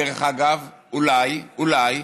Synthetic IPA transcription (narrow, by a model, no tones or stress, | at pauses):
eʁeχaɡav | ulajulaj